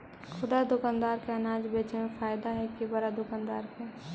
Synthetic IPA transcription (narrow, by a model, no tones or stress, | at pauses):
xʰʊd̪ad̪ʊkaːnd̪aːɾkeɐnaːd͡ʒbeːt͡ʃemẽfʰaːjd̪aɦɛkibɐɾad̪ʊkaːnd̪aːɾke